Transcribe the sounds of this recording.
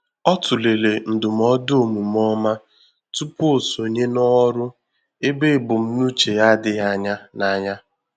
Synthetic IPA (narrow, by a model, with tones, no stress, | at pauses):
ɔ˦tʊ˨le˨le˨n̩˨dʊ˨m˦ɔ˦dʊ˦o˦˨mu˨m˦ɔ˦ma˦ | tu˦po˨so˨ɲe˦nɔ˦ɾʊ˦ | e˦be˦˨bʊ˨m̩˦nu˦t͡ʃe˨ja˦dɪ˨ɦa˦ɲa˦na˨˦ɲa˦